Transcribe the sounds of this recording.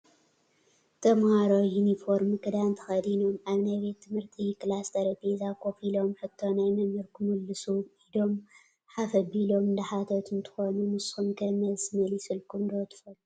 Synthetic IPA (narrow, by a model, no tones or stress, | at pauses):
t̪ʰɐmhaɾojunifoɾmɨkʼɨd̪ant̪ʰɐ̥xɐd̪inomʔaβnajbe̞t̪ʰːɨmhɨɾt̪ʰiklast̪ʰɐɾpʰezakʰo̞filo̞mħɨt̪ʰːo̞najmɐmɨɾkʰɨmɨlːɨsuid̪o̞m | ħafɐbilo̞mɨnd̪aħat̪ʰot̪ʰɨnt̪ʰɨ̥xo̞numɨshumkʰɐmɐsmɐlisɨlkʰumd̪ot̪ʰɨ̥fɐl